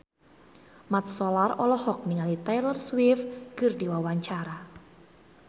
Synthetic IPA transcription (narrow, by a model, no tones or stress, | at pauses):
mat̪̚sɔlarɔlɔhɔk̚niŋalit̪ajlərswɪfɡ̥ɨrdiwawaɲt͡ʃaɾa